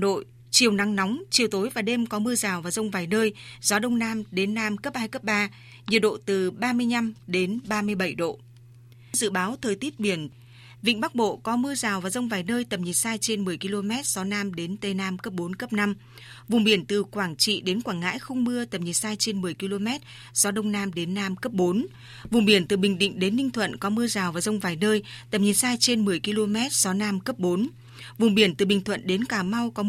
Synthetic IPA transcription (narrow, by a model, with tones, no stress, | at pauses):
ɗo̰˧˨j | t͡ɕi˨˩əwna˨˦ŋnɔ˨˦wŋ͡mt͡ɕi˨˩əwt̪o˨˦jvaː˨˩ɗe˧mkɔ˨˦mɨ˧əzaː˨˩wvaː˨˩zə˧wŋ͡mvaː˨˩jnəː˧jzɔ˨˦ɗə˧wŋ͡mnaː˧mɗe˨˦nːaː˧mkə˦˥p̚haː˧jkə˦˥p̚ɓaː˧ | ɲi˨˩ət̚ɗo̰˧˨t̪ɨ˨˩ɓaː˧mɨ˧əjɲa˧mɗe˨˦nɓaː˧mɨ˧əjɓə˧˩jɗo̰˧˨ | zɨ̰˧˨ɓaː˨˦wt̪ʰəː˨˩jt̪i˦˥t̚ɓi˧˩ən | vḭ˧˨ŋ̟ɓa˦˥k̚ɓo̰˧˨kɔ˨˦mɨ˧əzaː˨˩wvaː˨˩zə˧wŋ͡mvaː˨˩jnəː˧jt̪ə˨˩mɲi˨˩t̚saː˧jt͡ɕe˧nmɨ˨˩əjki˧lo˧mɛ˦˥t̚z̥ɔ˨˦naː˧mɗe˨˦nt̪e˧˩naː˧mkə˦˥p̚ɓo˨˦nkə˦˥p̚na˧m | vʊ˨˩ŋ͡mɓi˧˩ənt̪ɨ˨˩kwaː˧˩ŋt͡ɕḭ˧˨ɗe˨˦nkwaː˧˩ŋa̰ː˧˥jxə˧wŋ͡mmɨ˧ət̪ə˨˩mɲi˨˩saː˧jt͡ɕe˧nmɨ˨˩əjki˧lo˧mɛ˦˥t̚ | z̥ɔ˨˦ɗə˧wŋ͡mnaː˧mɗe˨˦nːaː˧mkə˦˥p̚ɓo˨˦n | vʊ˨˩ŋ͡mɓi˧˩ənt̪ɨ˨˩ɓï˨˩ŋ̟ɗḭ̈˧˨ŋ̟ɗe˨˦nːï˧ŋt̪ʰwə̰˧˨nkɔ˨˦mɨ˧əzaː˨˩wvaː˨˩zə˧wŋ͡mvaː˨˩jnəː˧jt̪ə˨˩mɲi˨˩saː˧jt͡ɕe˧nmɨ˨˩əjki˧lo˧mɛ˦˥t̚z̥ɔ˨˦naː˧mkə˦˥p̚ɓo˨˦n | vʊ˨˩ŋ͡mɓi˧˩ənt̪ɨ˨˩ɓï˨˩ŋt̪ʰwə̰˧˨nɗe˨˦nkaː˧˩ma˧wkɔ˨˦